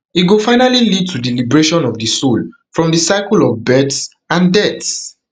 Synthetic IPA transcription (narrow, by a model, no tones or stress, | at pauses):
iɡofãɪnalilid̚tʰudilibɹeʃɔ̃nɔvdisol | fɹɔ̃mdəsaɪkəlɔvbɛts | ãndɛts